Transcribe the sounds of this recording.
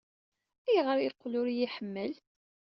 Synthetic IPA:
æjʁəɾˤilqːlʊɾijiħəmːəl

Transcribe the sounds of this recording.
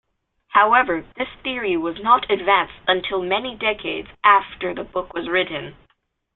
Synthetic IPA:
haʊɛvə˞ðɪsθɪɹiwʌznəɾɨdvæ̃nstə̃ntʰɪlˠmɛnidɛkʰeɪdz̥ʔæftə˞ðəbʊkwʌzɹɪʔn̩

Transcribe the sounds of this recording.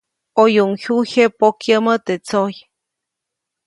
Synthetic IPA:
ojuŋçuçepokjəmət̪et͡soj

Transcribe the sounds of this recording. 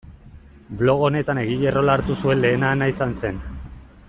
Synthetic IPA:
blo̞ɣ̞o̞ne̞t̪ane̞ɣiʎe̞ro̞laɾt̪usue̞nle̞ːnaːnaisanse̞n

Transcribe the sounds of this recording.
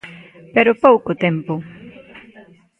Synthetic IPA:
peɾʊpowkot̪ɛmpʊ

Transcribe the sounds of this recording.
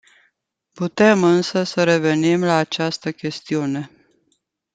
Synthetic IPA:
put̪e̞mɨnsəsəɾe̞ve̞nimlaːt͡ʃast̪əkʲe̞st̪iune̞

